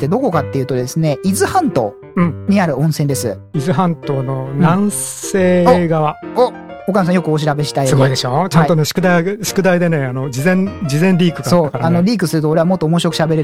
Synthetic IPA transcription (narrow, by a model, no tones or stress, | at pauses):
t̪ːe̞d̪o̞ko̞kat̪ːe̞jɯ̟ːt̪o̞d̪e̞sɨne̞izɨhãnt̪o̞̰ː | ɯ̟̃ɴɲ̟iaɾɯ̟õ̞ɰ̃sẽnd̪e̞sɨ̰ | izɨɦãnt̪o̞ːno̞nãñseːoɡaβao | okamsãjo̞kɯ̟oɕ̬iɾabe̞ɕi̥t̪aiooid̪eɕot͡ɕãnit̪oneɕi̥kɯ̟d̪ajɕi̥kɯ̟d̪aid̪e̞ne̞anod͡ʑizẽ̞nd͡ʑizẽnɾʲiːkɯ̟kasoːkaɾano̞ɾʲiːk̬ɯ̟sɨɾɯ̟t̪oːɾe̞βamo̞t̪ːoːmo̞ɕ̬iɾokɯ̟̥ɕabe̞ɾe̞ɾ